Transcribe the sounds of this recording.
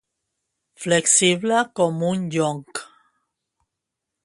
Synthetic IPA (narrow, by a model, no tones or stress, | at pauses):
fleksiβlakomũnjoŋk